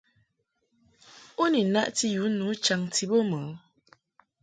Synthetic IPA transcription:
o˦ni˨na˦ʔti˦ju˨˦nu˨˦t͡ʃa˨ŋti˨˦bo˦mə˨˦

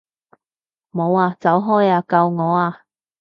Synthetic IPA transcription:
mo˨˧waː˧t͡sɐ˨˥wɦɔː˥jaː˧kɐ˧wŋɔː˨˧aː˧

